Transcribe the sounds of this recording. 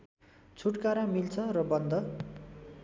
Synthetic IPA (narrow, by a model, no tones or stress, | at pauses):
t͡sʰuʈkaɾamilt͡sʰʌrʌbʌnd̪ʌ